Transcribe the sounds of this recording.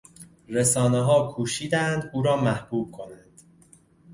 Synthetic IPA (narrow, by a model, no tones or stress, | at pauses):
resɒːneɦɒːkʰuːʃiːd̪ænd̪uːɾɒːmæhb̥uːb̥̚kʰo̞nænd̪̥